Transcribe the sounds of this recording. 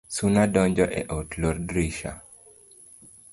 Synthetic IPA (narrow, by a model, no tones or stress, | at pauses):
sunadɔɲd͡ʒɔʔɛʔɔtlɔrdɾiʃa̰